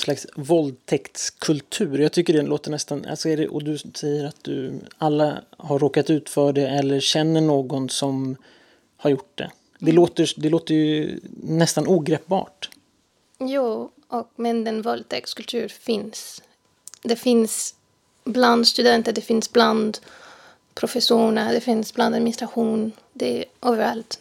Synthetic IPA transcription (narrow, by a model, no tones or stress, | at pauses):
slaksvɔld̪̚t̪ʰɛkt̪skʰɵlt̪ʰʉ̟ːɾjɑːɡ̚t̪ʰʏkːəɖɛloːt̪əɳɛst̪ana̰lsɔɛɖɛʔɔ̰d̪ɵsɛjːəɾat̪̚d̪ɵ̰alːa̰haɾːoːkat̪ʉ̟ːt̪fœːɖɛɛlːəɕɛnːəɳoːɡɔnsɔm | haɾjʊʈ̚ːd̪ɛ̰ | d̪ɛloːt̪əd̪ɛloːt̪əjɵnɛst̪anuːɡɾɛːp̚bɑ̰ːʈ | juː | ʔɔk̚mɛnd̪ɛnvɔlt̪ʰɛːkskɵlt̪ʰʉ̟ːɾfɪns | d̪ɛfɪns | bland̪st̪ɵd̪ɛnt̪əɖ̪ɛfɪnsbland̪ | pʰɾʊfɛsuːɳad̪ɛfɪnsbland̪ad̪mɪnɪst̪ɾaɧuːn | d̪ɛʔɔːvəɾalt̪